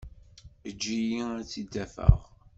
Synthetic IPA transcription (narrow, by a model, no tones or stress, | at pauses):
əd͡ʒːijiæt͡sːid̪ːæfə̰ʁ